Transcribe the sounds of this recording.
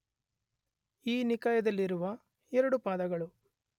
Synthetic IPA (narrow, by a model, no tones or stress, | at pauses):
iːnikɐjɐd̪ɐlːiɾuʋɐ | ɛɾɐɽupaːd̪ɐɡɐɭu